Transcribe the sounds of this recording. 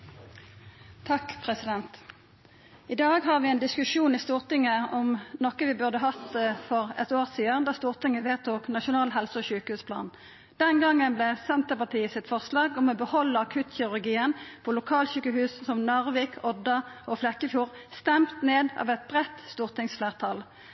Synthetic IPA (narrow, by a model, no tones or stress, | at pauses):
t̪ʰɑkpʰʁɛsɪd̪ɛnt̪ | ɪd̪ɑːɡhɑːʁʋɪɛːnd̪ɪskʉʃuːnɪst̪uːʁt̪ɪŋəɔmnɔkəʋɪbʉʁd̪əɦɑt̪fɔʁɛ̰t̪oːʁsiːənd̪ɑːst̪uːʁt̪ɪŋəʋeːt̪ʰuːknɑʃʊnɑːlɦɛlsəɔɕʉːkəhʉːspʰlɑ̰ːn | d̪̥ɛnɡɑŋːənblɛsɛnt̪əpɑt̪ʰiːəsɪt̪fɔʁslɑːɡɔmɔbəhɔlːəɑkʰʉt̪çɛʉʁɡiːənpʰɔlʊkʰɑːlɕyːkəhʉːssɔmnɑʁʋɪːkʰɔd̪ɑʔɔflɛkːəfjuːʁ | st̪ɛmt̪neːd̪ɑ̰ːʋɛt̪̚bʁɛt̪st̪uːʁt̪ɪŋsfleːʁt̪ʰɑl